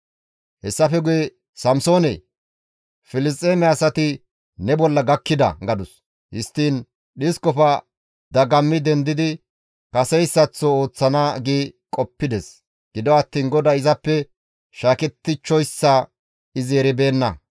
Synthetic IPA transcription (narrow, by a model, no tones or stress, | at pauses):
hɛsːɐfɛɡʊjɛ | sɐmso̞ːnḛ | fɪlɪs̬t̪ʼːeːmɛɐsɐt̪ɪ | nɛbɔlːɐɡɐkːɪd̪ɐ̰ɡɐd̪ʊs | hɪst̪ːiːn | ɗɪskɔfɐ | d̪ɐɡɐmːɪd̪ɛnd̪ɪd̪ɪ | kɐsɛjsːɐt͡sːooːt͡sːɐnaːɡeːkʼɔpːɪd̪ɛs | ɡ̥ɪd̪ɔɐt̪ːiːnɡɔd̪ɐɪzɐpːɛ | ʃaːkɛt̪ːɪt͡ʃːɔjsːa | ɪzɛɾɛbe̞ːnːɐ